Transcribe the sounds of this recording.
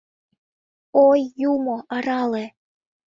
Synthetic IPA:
ojːumoʔɑɾɑle

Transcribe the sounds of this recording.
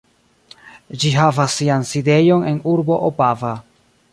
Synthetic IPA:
d͡ʒiɦavasːianside̞jo̞ne̞nuɾbo̞ʔopava

